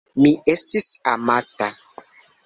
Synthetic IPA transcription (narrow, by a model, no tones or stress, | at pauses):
miʔe̞stisamata